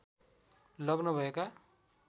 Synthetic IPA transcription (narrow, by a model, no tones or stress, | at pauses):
lʌɡnʌbʱʌeka